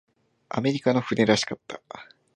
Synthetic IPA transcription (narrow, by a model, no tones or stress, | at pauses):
a̰me̞ɾʲikano̞ɸɯ̟ne̞ɾaɕi̥kat̪ːḁ